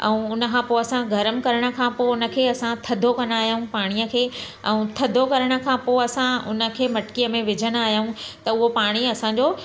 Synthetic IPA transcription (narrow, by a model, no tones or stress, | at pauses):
ɛ̰̃ũʊnə̆kʰãːpoːɐsãɡʱɐɾəmkɐɾəɽ̃ə̆kʰãːpoːʊnə̆kʰeːɐsãt̪ʰɐd̪ʱokɐnaːɦjaũpaːɽ̃ijəkʰeː | ɛ̰̃ũt̪ʰɐd̪ʱokɐɾəɽ̃ə̆kʰãːpoːɐsãʊnə̆kʰeːmɐʈkijəmẽʋɪd͡ʑʱəñaːɦijaũt̪ɐʊɦopaːɽ̃iɐsãɲd͡ʑoː